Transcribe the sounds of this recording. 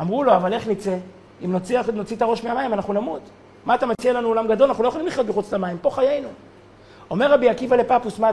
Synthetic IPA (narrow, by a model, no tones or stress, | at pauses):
amʁulo̞avale̞χnit͡se̞ | imnot͡siano̞t͡sit̪aʁo̞ʃmeamajimanaχnunamut̪ | maːt̪amat͡sialanuo̞lamɡad̪o̞lanaχnuloeolimliχjot̪beχut͡slamaimpo̞χaje̞jnu | o̞me̞ʁːabiakivalepapusma